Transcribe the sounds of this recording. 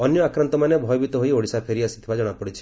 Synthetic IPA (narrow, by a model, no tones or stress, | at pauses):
ɔnjɔakɾant̪ɔmanebʱɔjɔbit̪ɔɦojoɽisapʰeɾiasi̥t̪ʰibad͡ʒɔɽ̃apɔɽit͡ʃʰi̥